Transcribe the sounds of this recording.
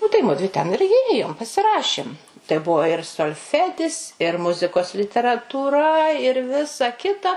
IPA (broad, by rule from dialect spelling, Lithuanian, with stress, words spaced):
ˈnʊ tɐɪ ˈmʊdʲʋʲɪ tʲɛn ɪr ɪˈjeːjoːm pɐsʲɪˈrɑːʃʲɪm tɐɪ ˈbʊʋoː ɪr soːlʲˈfʲæːdʲɪs ɪr ˈmʊzʲɪkoːs lʲɪtʲɛrɐtuːˈrɐ ɪr ˈʋʲɪsɐ ˈkʲɪtɐ